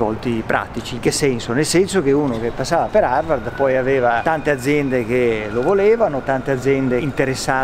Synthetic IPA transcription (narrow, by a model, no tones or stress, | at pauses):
vɔ̰lt̪ipɾʔa̰t̪it͡ʃiŋk̟esɛnsonelsɛnsok̟euːnok̟epːasːaːvapeɾarvard̪pɔjavɛːvat̪ant̪ead̪zːjɛnd̪ek̟elovolɛːvanot̪ant̪ead̪zːjɛnd̪eint̪eɾesːaː